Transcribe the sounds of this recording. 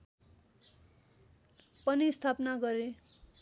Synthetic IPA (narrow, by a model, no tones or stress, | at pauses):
pʌnist̪ʰapnaɡʌɾe